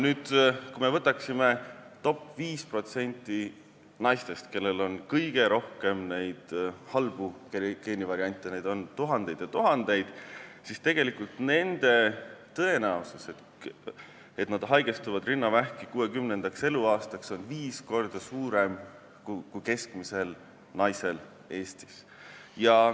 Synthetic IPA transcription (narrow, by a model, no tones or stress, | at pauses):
nyːd̪̥kume̞vɤt̪ːˑɑksime̞t̪o̞pːviːspro̞t̪se̞nʲt̪ːˑi | nɑjst̪e̞st̪ke̞lːe̞lo̞nkɤjɡ̥e̞ɾo̞hke̞mne̞jd̪̥hɑlb̥ukeke̞ːnivɑɾiɑnʲt̪ʲːˑenejd̪̥o̞nt̪uɦɑnd̪̥e̞jd̪̥jɑt̪uɦɑnd̪̥e̞jd̪̥sist̪e̞ɡ̥e̞likult̪ne̞nd̪̥e̞t̪ɤe̞næuseset̪ | e̞t̪nɑd̪̥ɦɑjɡ̥est̪uvɑd̪rinːɑvæhkikuːe̞kymnend̪̥ɑkse̞luɑːst̪ɑkso̞nviːsko̞rd̪̥ɑsuːɾem | kukuke̞skmise̞l | nɑjse̞l | e̞ːst̪i̥s | jɑ